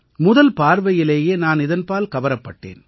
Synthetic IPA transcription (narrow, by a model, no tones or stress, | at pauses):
mʊðɐlpaːɾʋɐjɪleːjeːnaːnɪðɐnpaːlkɐʋɐɾɐpːɐʈːḛːn